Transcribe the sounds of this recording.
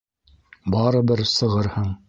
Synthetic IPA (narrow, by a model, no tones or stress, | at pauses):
bɑɾɤ̆bɘɾsɤ̆ʁɤɾhɤɴ